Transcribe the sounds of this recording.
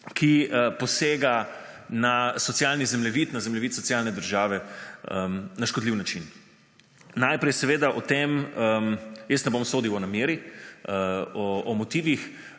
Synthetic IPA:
kʰipɔseːɡa | nasɔtsjalnizɛmlɛʋiːt̪nazɛmlɛʋit̪sɔtsjalnɛd̪əɾʒaːʋɛəmnaʃkɔd̪liwnat͡ʃin | najpɾɛjsɛʋeːd̪aʔɔt̪eməmjest̪nɛbomsoːd̪iwɔnamjeːɾiəɔɔmɔt̪iːʋix

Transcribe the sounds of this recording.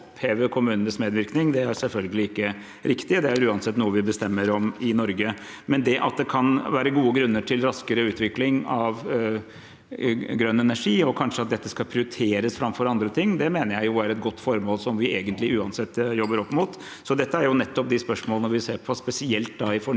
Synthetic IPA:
pʰeːʋəkʰʊmʉːnənəsmeːd̪ʋɪɾknɪŋd̪ɛæɾsɛlfœlɡəlɪɪkːə | ɾɪkt̪ɪəd̪ɛæɾʉːɑnsɛt̪ːnuːəʋɪbəst̪ɛmːəɾɔmɪnɔɾɡə | mɛnd̪ɛʔɑ̰t̪̚d̪ɛkʰɑnʋæːɾəɡuːəɡɾʉnːəʈʰɪlɾɑskəɾəʉːt̪ʋɪklɪŋɑʋ | ɡɾœnːɛnæʂiːɔkʰɑnʂəɑt̪̚d̪ɛt̪ːəskɑlpʰɾɪʊɾɪt̪ʰeːɾəsfɾɑmfɔɾɑnd̪ɾət̪ʰɪŋːd̪ɛmeːnəɾjæɪjʊæɾɛt̪̚ɡɔt̪ːfɔɾmoːlsɔmʋɪʔeːɡənt̪lɪʉːɑnsɛt̪ːjɔbːəɾɔpːmʊt̪ | sɔd̪ɛt̪ːəæɾjʊnɛt̪ːɔp̚d̪ɪspœʂmoːlnɔɾʋɪseːɾpʰɔspɛsɪɛlt̪̚d̪ɑɪfɔ

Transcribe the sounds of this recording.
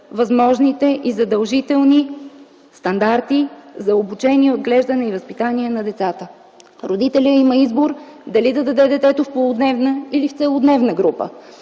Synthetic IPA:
vɐzmɔʒnit̪ɛʔizɐd̪ɐlˠʒit̪ɛlˠni | st̪ɐnd̪aɾt̪izɐobut͡ʃɛniɛod̪ɡlɛʒd̪ɐnɛivɐspit̪aniɛnɐd̪ɛt̪sat̪ə | ɾod̪it̪ɛlʲəiməizboɾd̪ɐlid̪ɐd̪ɐd̪ɛd̪ɛt̪ɛt̪ʊfpolˠʊd̪nɛvnəilift̪sɛlˠʊd̪nɛvnəɡɾupə̰

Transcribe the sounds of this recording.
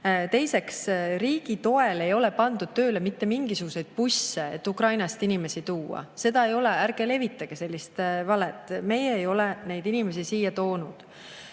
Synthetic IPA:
t̪e̞jse̞ksriːɡ̥it̪o̞e̞le̞jo̞le̞pɑnd̪ud̪̥t̪ø̞ːle̞mit̪ːe̞miŋɡ̥isuɡ̥use̞jd̪̥̚pusːeet̪ːukrɑjnɑst̪inime̞sit̪uːɑ̰se̞d̪̥ɑe̞jo̞le̞æɾɡ̥e̞le̞vit̪ːˑɑɡ̥ese̞lʲːist̪vɑlet̪ːˑme̞jeːjo̞lene̞jd̪̥inimes̬isiːjɑt̪o̞ːnud̪̥

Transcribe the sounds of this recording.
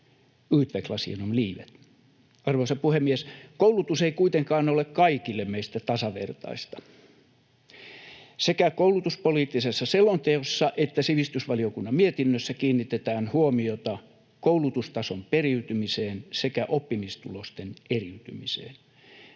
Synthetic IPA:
yːt̪ʋeklɑsḭɑ̰nonliːʋḛt̪ | ɑrʋoisɑpuhemːieskoulut̪useikuit̪eŋkɑːnolekkɑikilːemmeist̪æt̪ɑsɑʋḛrt̪ɑ̰ist̪ɑ̥ | sekækoulut̪uspoliːt̪ːisesːɑselːont̪eosːɑʔet̪ːæsiʋist̪ysʋɑliokunːɑmmiet̪inːøsːækiːnːit̪et̪æːnhuomiot̪ɑ | koulut̪ust̪ɑsomperiyt̪ymiseːnsekæʔopːimist̪ulost̪eneriyt̪y̰misḛːn

